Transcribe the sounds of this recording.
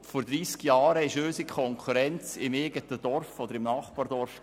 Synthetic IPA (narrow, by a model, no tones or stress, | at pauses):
fɔɾd̪ɾiːskjɑːɾəɪʃøːsikʰɔŋkʰuɾɛnt͡sɪmeːɡətəd̥ɔɾfɔd̪əɾɪmnɑːχpɑːɾdɔɾf